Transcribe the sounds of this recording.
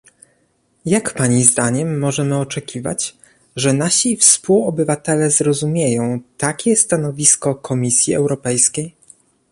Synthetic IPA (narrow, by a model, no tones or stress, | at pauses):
jakpaɲizd̪aɲɛmːɔʐɛmɘɔt͡ʂɛkʲʰiva̰t͡ɕ | ʐɛnaɕifspuwɔbɘvat̪ɛlɛzɾɔzumʲjejɔ̃w̃t̪akʲɛst̪anɔvʲiskɔkʰɔmʲisʲjiɛ̰wɾɔpɛjskʲej